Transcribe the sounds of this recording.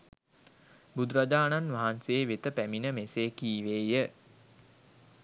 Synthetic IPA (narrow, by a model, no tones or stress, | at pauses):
bud̪ɾad͡ʒaːnanʋaɦanseːʋet̪əpæminəmeseːkiːʋeːjə